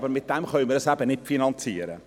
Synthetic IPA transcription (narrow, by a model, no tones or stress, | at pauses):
bəɾmɪt̚d̥ɛmχœʏmədɑsæbənɪtfinɑnt͡siːəɾə̰